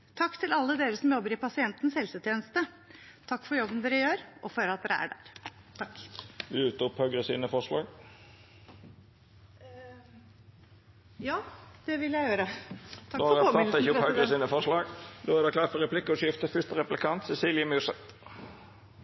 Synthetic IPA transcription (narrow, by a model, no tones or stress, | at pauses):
t̪ʰɑkːt̪ʰɪlɑlːəd̪eːɾəsɔmjɔbːəɾɪpʰɑsɪɛnt̪ən̩shɛlsət̪ʰjeːnəst̪ə | t̪ʰɑkːfɔɾjɔbːənd̪eːɾəjøːɾʔɔføːlɑt̪̚d̪ɛːɾəæ̰ɖæ̰ːɾ | t̪ʰkʋɪʉːt̪əʊphœɡɾəsiːnəfɔʂlɑ̰ːɡ | jɑːd̪̥ɛʋɪljæɪjøːɾət̪ʰɑoːɑɔʁɑɪçəʊphœɡɾəsiːnəfɔʂlɑːɡd̪oːæd̪ɛklɑfəʁɛpʰlɪkːəɔʃjɪft̪əfʏst̪əɾɛplɪkʰɑnt̪sɛsiːlɪəmʉʂɛt̪